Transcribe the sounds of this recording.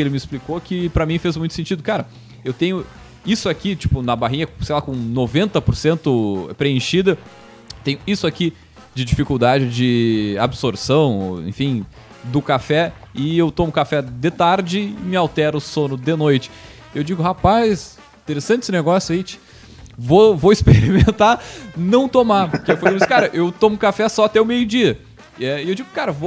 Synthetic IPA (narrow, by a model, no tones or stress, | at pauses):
elɪmɪisplikokɪpɾɐmĩfezmũj̃t̪ʊ̥sẽnt͡ʃid̪ʊkaɾɐ | ewt̪ẽɲʊ | isʊakit͡ʃi̥pʊnɐbaɦĩɲɐsejlakõnovẽnt̪ɐpoɾsẽnt̪ʊpɾeẽʃid̪ɐ | t̪ẽjɲʊisʊaki | d͡ʒɪd͡ʒifikuwd̪ad͡ʒɪd͡ʒɪabsoɾsɐ̃w̃ḛ̃fĩ | d̪ʊkafɛ | ɪewt̪õmʊkafɛd̪ɪt̪aɾd͡ʒɪɪmɪawt̪ɛɾʊsõnʊd̪enojt͡ʃɪ̥ | ewd͡ʒiɡʊɦapajs | ĩt̪eɾesɐ̃nt͡ʃɪsɪneɡɔsjʊejt͡ʃɪ̥ | vovoispeɾimẽnt̪anɐ̃w̃t̪omaɾpʊɾkewfõisɪkaɾɐʔewt̪õmʊkafɛsɔat̪ɛʊmejʊd͡ʒiɐ | ɛɪewd͡ʒiɡʊkaɾɐvo